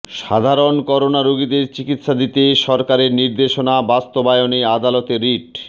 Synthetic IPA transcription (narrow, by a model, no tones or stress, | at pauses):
ʃad̪ʱaɾonkɔɾonaɾoɡid̪eɾt͡ɕikit̪ːʃad̪it̪eʃɔɾkaɾeɾniɾd̪eʃonabast̪obajoniad̪alɔt̪eɾiʈ